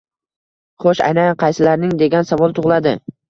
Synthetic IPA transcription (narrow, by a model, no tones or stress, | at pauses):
χoʃa̰jnanqʰɑjsɪlaɾnɪŋd̪e̞ɡʲansavɒlˠt̪ʰʊʁlˠad̪ɪ